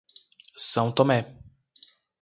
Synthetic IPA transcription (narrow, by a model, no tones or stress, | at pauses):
sɐ̃w̃t̪omɛ